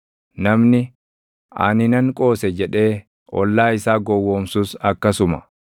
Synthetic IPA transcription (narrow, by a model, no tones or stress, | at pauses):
nɐmnɪ | ɐ̰nɪnɐŋkʼo̞ːsɛd͡ʒɛᶑe̞ː | ʔɔ̰lːaːɪsaːɡɔwːoːmsusɐkːɐsʊmɐ̥̰